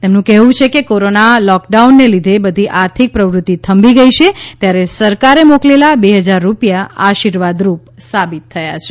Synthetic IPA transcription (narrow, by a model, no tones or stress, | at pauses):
t̪emnũkɛɦũt͡ʃʰekekoɾonalɔk̚ɖaunːelid̪ʱebəd̪ʱiʔaɾt̪ʰik̚pɾəʋɾʊt̪ːit̪ʰəmbiɡəiʃet̪jaɾesəɾkaɾemoklelabeɦəd͡ʒaɾːupjaaʃiɾʋad̪ɾupsabit̪ʰːəjat͡ʃʰe